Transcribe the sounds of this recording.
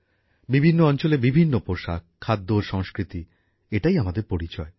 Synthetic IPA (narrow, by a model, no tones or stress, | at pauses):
bibʱinːoɔnt͡ɕolebibʱinːopoɾʃa̰kʰːad̪ːoʃɔŋskɾit̪i | eʈajamad̪eɾpoɾit͡ɕɔe